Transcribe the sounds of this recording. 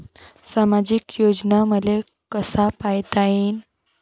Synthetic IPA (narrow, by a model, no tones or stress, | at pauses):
samad͡ʑikjod͡ʑnaməd̪le | kəsapajt̪ain